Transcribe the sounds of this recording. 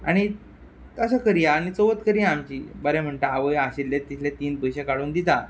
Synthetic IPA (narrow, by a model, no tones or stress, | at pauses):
a̰ɽ̃i | əs̬əkəɾijaːñit͡soʋət̪kəɾijaːmt͡ɕiːbəɾem̤əɳʈ̪aaʋəjaɕilːet̪ːit̪ʰlet̪iːnpəjɕekaɽuːnd̪it̪a